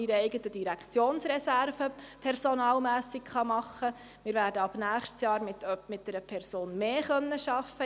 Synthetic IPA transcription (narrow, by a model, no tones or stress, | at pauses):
iɾəɛɪɡətəd̥iɾækt͡sjoːnsɾɛsærvəpʰɛɾsonɑːlmæːsiɡχɑmɑχːə | mɪːɾvʋæːɾdəɑb̥næːχʃtsjɑːɾmɪtmɪt̚dɛɾəpʰɛrsoːnmeːχœnːəʃɑfːə